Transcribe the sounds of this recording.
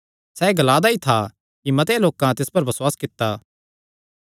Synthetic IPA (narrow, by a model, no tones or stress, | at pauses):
sɛːɡɐlaːd̪ait̪ʰa | kimɐt̪eloːkãt̪ɪspɐɾbɐswaːskɪt̪ːaː